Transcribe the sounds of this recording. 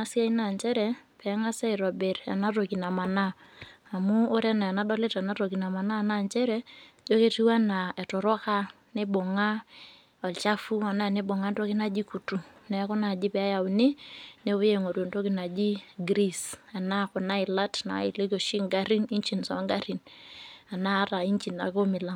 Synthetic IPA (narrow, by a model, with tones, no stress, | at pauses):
a˦si˦a˦i˦na˨nt͡ʃɛ˦ɾɛ˦ | pɛ˨˦ŋa˦sɛ˦i˨ɾɔ˨be˨ɾa̰˨na˦to˨ki˨na˨ma˨naː˦˨muː˦ɾɛ˦na˨a˨na˦dɔ˦le˦ta˨na˦to˨ki˨na˨ma˨naː˦˨na˦˨nt͡ʃɛ˦ɾɛ˦ | d͡ʒo˦ke˦ti˦wa˦na˨ɛ˨tʊ˨ɾɔ˦ka˦ | ne˦bo˨ŋa˦ | ɔ˨lt͡ʃa˦fu˦a˨na˦˨ne˦bo˨ŋa˦nto˦kɪ˦na˦d͡ʒi˦ku˨tu˨nɛ˨˦kʊ˦na˨d͡ʒi˦pɛ˦a˦ja˨ʊ˨nɪ˦ne˦wo˦je˦˨ŋo˨do˨nto˦kɪ˦na˨d͡ʒi˦ɡɾi˦sa˨na˦˨kʊ˨na˦ɪ˨la˦tna̰˨˦ɪ˨le˦ko˨ʃi˦ŋɡa˦ɾi˦ni˦ɲt͡ʃi˨nsɔ̰˨˦ŋɡa˦ɾi˨na˨na˦ɾa˨i˦ɲt͡ʃi˨na̰˨ko˦mɪ˨la˦˨